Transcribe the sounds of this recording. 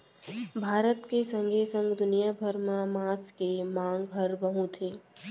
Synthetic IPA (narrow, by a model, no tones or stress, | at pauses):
bʱaːɾət̪kesə̃ŋɡʱeːsə̃ŋɡd̪ʊnijabʱəɾmamaːskemãːŋɡbʱɐɾbəɦũt̪ʰeː